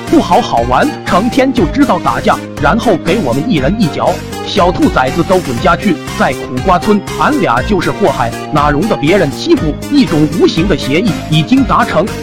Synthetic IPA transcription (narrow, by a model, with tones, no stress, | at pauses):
pu˥˩xɑ˧˥ʊxɑ˨˩ʊwa˧˥nʈ͡ʂʰɤ˧˥ŋt̪ʰjɛ˥nt͡ɕjo˥˩ʊʈ͡ʂɻ̩˥t̪ɑ˥˩ʊt̪a̰˨˩t͡ɕja̰˥˩ŋ | ɻa˧˥nxo˥˩ʊke˧˥ɪwɔ˨˩mə˦ni˥˩ɻə˧˥ni˥˩t͡ɕjɑ̰˧˥ʊ | ɕjɑ˨˩ʊt̪ʰu˥˩t͡sa˨˩ɪt͡sɹ̩˧t͡so˥ʊkwə˨˩nt͡ɕja˥t͡ɕʰy˥˩ | t͡sa˥˩ɪkʰu˨˩kwa˥t͡sʰwə˥n | a˧˥nlja̰˨˧˥t͡ɕjo˥˧ʊʂɻ̩˥˧xwɔ˥˧xa˨˩ɪ | na˨˩ɻʊ˧˥ŋd̪ə˧pjɛ˧˥ɻə˧˥nt͡ɕʰi˥pu˨˩i˥˩ʈ͡ʂʊ˨˩ŋu˧˥ɕi˧˥ŋd̪ə˨˧ɕjɛ˧˥i˥˩i˨˩t͡ɕi˥ŋt̪a˧˥ʈ͡ʂʰɤ˧˥ŋ